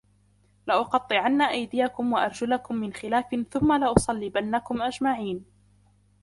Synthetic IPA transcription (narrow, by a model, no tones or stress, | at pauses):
lɪʔʊqɑt̪ˤːɨʕanːaʔajd̪ɪjakʊmwaʔɑɾˤd͡ʒʊlakʊmːɪnxɪlaːfɪnθʊmːalɪʔʊsˤɑlːibanːakʊmʔad͡ʒmaʕiːn